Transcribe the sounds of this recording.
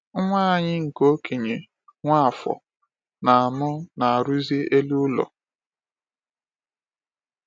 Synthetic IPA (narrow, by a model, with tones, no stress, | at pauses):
ŋʷa˦a˨ɲɪ˦ŋ̩˨ko˦ke˨ɲe˨ | ŋʷa˦a˨fɔ̰˨ | na˨a˨mʊ˦na˨a˨ɾu˦zi˦e˦lu˦lɔ̰˨